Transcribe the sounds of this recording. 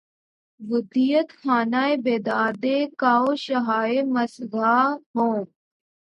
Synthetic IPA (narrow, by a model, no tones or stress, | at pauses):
bʊd̪ijət̪xaːnaːebeːd̪aːd̪eːkaːoːʃɐɦaːeməsɡaːbõː